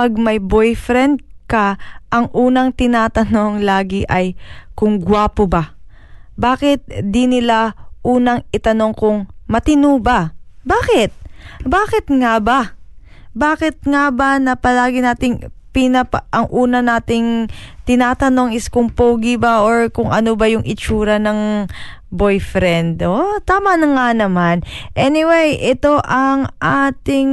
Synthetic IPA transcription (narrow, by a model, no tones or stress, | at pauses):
pɐɡ̚mɐjbojfɾɛnd̪̚kɐʔɐŋʔuːnɐŋt̪ɪnaːt̪ɐno̞ŋlaːɡɪʔɐjkʊŋɡwaːpoba | baːkɪt̪̚d̪inɪlaʔuːnɐŋɪt̪ɐno̞ŋkʊŋmɐt̪ɪnuːbɐbaːkɪt̪̚baːkɪt̪̚ŋaba | baːkɪt̪̚ŋabɐnɐpɐlaːɡɪnaːt̪ɪŋpɪnɐpɐʔɐŋʔuːnɐnaːt̪ɪŋt̪ɪnaːt̪ɐno̞ŋɪskʊŋpowɡɪbaʔoɹkʊŋʔɐnobɐjʊŋʔɪt͡ʃuːɾɐnɐŋ | bojfɾɛnd̪ot̪aːmɐnɐŋanɐmanʔɛnɪwejʔɛt̪o̞ʔɐŋʔaːt̪ɪŋ